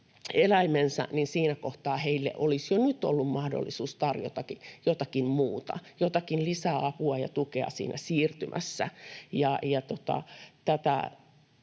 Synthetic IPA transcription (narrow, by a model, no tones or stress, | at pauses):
elæimensæ̰ninsiːnækoht̪ɑːheilːḛʔolisjonyt̪o̰lːummɑhdo̰lːisuːst̪ɑrjo̰t̪ɑkijot̪ɑkimmuːt̪ɑ̰jot̪ɑkinlisæɑpuɑjɑ̰t̪ukeɑ̰sḭːnʔæ̰siːrt̪ymʔæ̰sːæ̰jɑjɑt̪ot̪ɑ̰t̪æt̪æ̰